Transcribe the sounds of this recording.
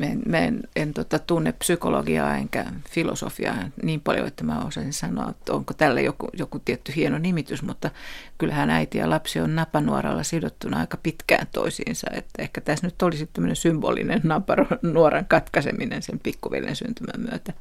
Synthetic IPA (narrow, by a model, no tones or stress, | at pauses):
mæenmæenent̪ot̪ɑt̪unːeppsykolo̰ɡiɑːḛŋkæfilo̰so̰fiɑnniːmpɑljo̰et̪ːæmæo̰sɑsinsɑnoɑ̰mut̪ːoŋkot̪ælːæjokujokut̪iet̪ːyhienonimit̪ysmut̪ːɑkylhænæit̪ijɑ̰lɑpsionnɑpɑnuorɑlːɑsidot̪ːunɑɑ̰ikɑpit̪kæ̰ːnt̪o̰isḭːnsɑet̪ːæehkæt̪æsnyt̪ːolisit̪t̪ːæmːønensymbo̰ːlḭnennɑpɑronnuoɾɑŋkɑt̪kɑsḛminensempikːuʋḛlːḛnsynt̪ymæmmyøt̪æ